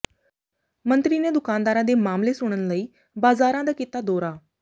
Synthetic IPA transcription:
mənt̪ɾiːneːd̪ʊkaːnd̪aːɾãːd̪eːmaːmleːsʊɽ̃ɳ̃ənləiː | baːzaːɾãːd̪aːkɪt̪aːd̪ɔːɾaː

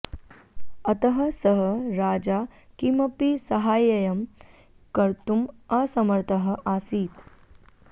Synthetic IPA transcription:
ɐt̪əɦə̆səɦəɾaːd͡ʒakimɐpisɐɦaːjɐjɐm | kɐɾt̪umɐsɐməɾt̪əɦəʔaːsiːt̪

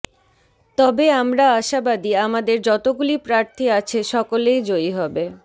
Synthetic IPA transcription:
t̪ɔbeamɾaaʃabad̪iamad̪eɾd͡ʑɔt̪oɡulipɾaɾt̪ʰiat͡ɕʰeʃɔkolejd͡ʑojɦɔbe

